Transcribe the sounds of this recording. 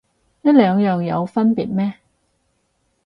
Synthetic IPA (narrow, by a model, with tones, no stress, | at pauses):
jɐ˥t̚lœː˨˧ŋjœː˨˩ŋjɐ˨˧wfɐ˥npiː˨˩t̚mɛː˥